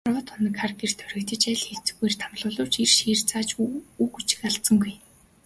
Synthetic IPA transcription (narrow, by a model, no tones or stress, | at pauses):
rʁɞ̆t̪ʰʊnə̆kχarkir̥t̪ʰœ̥ɾʲɪ̆kt̪ə̆t͡ɕæɮxet͡sɘ̆xɡujrt̪ʰamɮʊːɮʊːwt͡ɕirʃiːrt͡saːt͡ɕuːxut͡ɕɪ̥̆kaɬt̪t͡sɞ̆ŋɡuj